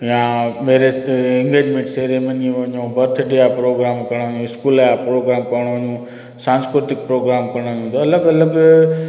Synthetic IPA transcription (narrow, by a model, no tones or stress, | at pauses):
jãːmeːɾeɛ̃ŋɡeːd͡ʒmẽɳʈseɾemɐɲiʋɐɲũːbɐɾt̪ʰɖijapɾoːɡɾaːmkɐɽ̃ʋəɲũːɪskuːljapɾoːɡɾaːmkɐʋɽ̃oʋɐɲũ | sãːnskɾʊt̪ɪk̚pɾoːɡɾaːmkɐɽ̃əɲũnd̪oɐləɡɐləɡ